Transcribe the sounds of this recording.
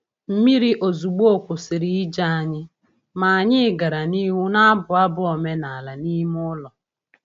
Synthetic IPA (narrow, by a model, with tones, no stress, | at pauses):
m̩˦mi˦ɾi˦ʔo˨zu˨ɡ͡bo˦kʷʊ˨sɪ˨ɾi˨i˦d͡ʒa˦a˨ɲɪ˦ | ma˨a˨ɲɪ˦˨ɡa˨ɾa˨ni˦wʊ˦na˦a˦bʊ˨a˦bʊ˦o˨me˦na˨la˨ni˦m˦ʊ˦lɔ˨